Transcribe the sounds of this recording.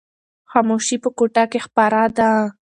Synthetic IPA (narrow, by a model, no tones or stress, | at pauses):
xɑmoʃipəkoʈakexpaɾad̪a